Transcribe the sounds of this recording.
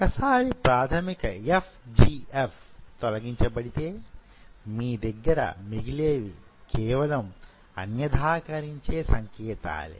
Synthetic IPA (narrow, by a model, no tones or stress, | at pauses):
kɐsaːɾipɾaːt̪ʰɐmikɐepʰd͡ʒiːepʰt̪ɔlɐɡiɲt͡ʃɐbɐɽit̪e̞ː | miːd̪ɐɡːɐɾɐ̰miɡileːʋi | kʰɛːʋɐlɐm | ɐ̰njɐd̪ʱaːkɐɾiɲt͡ʃeːsɐŋkɛːt̪a̰ːlḭ